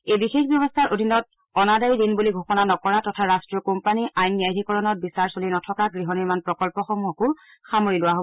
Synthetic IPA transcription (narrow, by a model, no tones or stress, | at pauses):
ejbixexbjɔbɔstʰaɹʔodʱinɔt̚ | ɔnadajdinbuliɡʱoxɔnanɔkɔɹatɔtʰaɹastɹiɔkompaniʔajnːiajdʱikɔɹɔnɔt̚bisaɹsolinɔtʰɔkaɡɹiɦɔnimanpɹɔkɔlpɔxɔmuɦɔkʊ | xamoɹilʊwaɦobɔ